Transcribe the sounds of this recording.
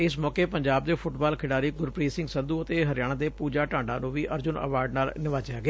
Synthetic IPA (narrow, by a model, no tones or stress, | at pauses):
ɪsmɔːkeːpəɲd͡ʒaːb̚d̪eːpʰʊʈbaːlkʰɪɽaːɾiːɡʊɾpɾiːsɪ̃ŋɡsə̃nd̪uːət̪eːɦəɾɪjaːɽ̃ãːd̪eːpuːd͡ʒaːʈãːɳɖãːnũːʋiːʔəɾd͡ʒʊnə̰ʋaːɾɖnaːlnɪʋaːd͡ʒjaːɡɪaː